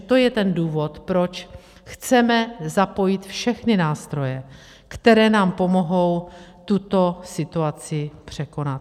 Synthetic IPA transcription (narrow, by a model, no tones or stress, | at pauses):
t̪o̞jɛt̪ɛnduːvo̞t̪pɾo̞t͡ʃ | xt͡sɛmɛzapo̞jɪt̪fʃɛxnɪnaːst̪ɾo̞jɛ | kt̪ɛɾɛːnaːmpo̞mo̞ɦo̞wt̪ut̪o̞sɪt̪uat͡sɪpr̝̥ɛko̞nat̪